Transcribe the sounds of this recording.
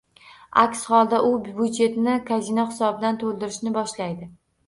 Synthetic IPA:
a̰kʲshɒlˠd̪aʔʊbud͡ʒe̞t̪nɪkʰazinɒχɪ̥sɒbɪd̪ant̪ʰolˠd̪ɪɾɪʃnɪbɒʃlajd̪ɪ

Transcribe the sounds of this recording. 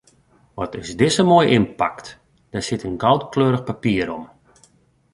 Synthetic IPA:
ʋɔtɪsdɪsəmoːjʔɪnpakt | d̥asɪtənɡɔwtkløːɾəxpapiəɾɔm

